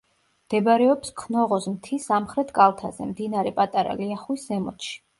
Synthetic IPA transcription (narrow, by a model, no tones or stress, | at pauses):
md̪̥ɛbaɾɛɔpskʰnɔʁɔzmt̪ʰisamχɾɛt̪ʰɡʼalˠt̪ʰazɛmd̪inaɾɛpʼat̪ʼaɾa̰liaχwiszɛmɔ̰t̪ʃi̥